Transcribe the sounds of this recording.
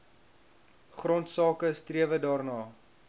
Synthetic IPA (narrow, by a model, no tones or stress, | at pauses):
χrɔntsɑːkəstriəvədɑːrnɑː